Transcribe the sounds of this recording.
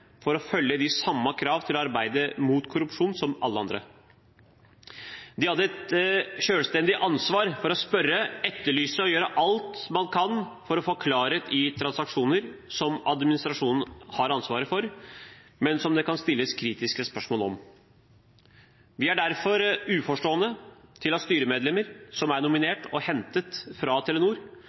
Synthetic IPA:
fɔɾɔfœlːəd̪ɪsɑmːəkʰɾɑːʋt̪ʰɪlɔɑɾbæɪd̪əmut̪kʰʊɾʉpʂuːnsɔmʔɑlːəɑnd̪ɾə̰ | d̪ɪhɑd̪ːəɛt̪ʃøːlst̪ɛnd̪ɪʔɑnsʋɑːɾfɔɾɔspœɾəɛt̪ːəɭyːsəɔjøːɾəʔɑlt̪mɑnkʰɑnfɔɾɔfɔkʰlɑːɾət̪ʰɪt̪ʰɾɑnsɑkʂuːnəɾsɔmɑd̪mɪnɪst̪ɾɑʂuːnn̩hɑɾɑnsʋɑːɾəfɔɾ | mɛnsɔmd̪ɛkɑnst̪ɪlːəskʰɾiːt̪ɪskəspœʂmoːlɔ̰m | ʋɪæɖæɾfɔɾʉːfɔʂʈoːənət̪ʰɪlɑst̪yːɾəmeːd̪lɛməɾsɔmæɳʊmɪneːʈɔhɛnt̪ət̪fɾɑt̪ʰɛlɛnuːɾ

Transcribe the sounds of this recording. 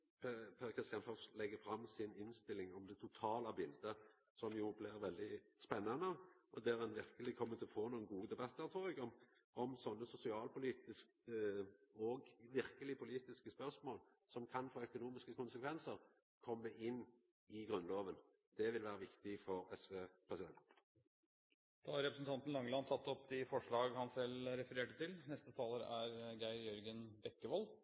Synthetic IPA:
pʰpʰɛɾkʰʁɪst̪jɑnfɔslɛɡːəfɾɑmːsɪnɪnst̪ɪlːɪŋɔmd̪ɛt̪ʰʊt̪ʰɑːlɑbɪld̪ə | sɔmjʊblɪʁʋɛld̪ɪspɛnːɑnəʔɔd̪æɾɛnʋɪɾkəlɪkʰɔmːət̪ʰɪɔfoːnuːənɡuːəd̪ɛbɑt̪ːəɾt̪ʰɾuːɛɡɔm | ɔmsɔnːəsʊsɪɑːlpʊliːt̪ɪsk | əɔɡʋɪɾkəlɪpʰʊliːt̪ɪskəspœʁsmoːl | sɔmkʰɑnfoːœkʊnuːmɪskəkʰʊnsəkʰʋɛnsəɾ | kʰɔmːəʔɪnː | ɪɡɾʉnloːʋən | d̪̥ɛʋɪlʋæːɾəʋɪkt̪ɪfɔɾɛsʋeːpʰʁɛsɪd̪ɛnt̪ | d̪̥ɑɑɾɛpɾəsnt̪ʰɑnt̪n̩lɑŋːəlɑnsʰɑt̪ːɔpːd̪ɪfɔʂɭɑːɡhɑnsɛlɾɛfəɾeːʈət̪ʰɪlnɛst̪ət̪ʰɑːləɾæɾɡæɪɾjœɾɡənbɛkːəʋɔl

